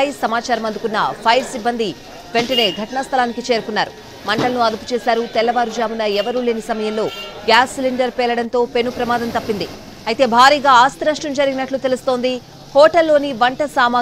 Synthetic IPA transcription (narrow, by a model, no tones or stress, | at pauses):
jisɐmaːt͡ʃaːɾɐmɐnd̪ukunːɐ̰pʰɐjɾsibːɐnd̪i | ʋe̞ɳʈɐne̞ːɡʱɐʈɐɳɐst̪ʰɐlaːnikit͡ʃeːɾukunːaːɾu | mɐɳʈɐlɐnuɐd̪upu̥t͡ʃɛːsaːɾut̪ɛlːɐʋaːɾud͡ʒaːmunɐɛʋɐɾule̞ːnisɐmɐjɐmlo̞ːɡjaːsliɳɖɐɾpɛːlɐɽɐnt̪o̞ːpe̞nupɾɐmaːd̪ɐnt̪ɐpːind̪i | ɐjt̪e̞ːbʱaːɾiːɡaːaːst̪ɐɾɐʂʈɐmd͡ʒɐɾiɡinɐʈlut̪e̞lust̪o̞ːnd̪i | hɔːʈɐlːo̞ːniʋɐɳʈɐsaːmaː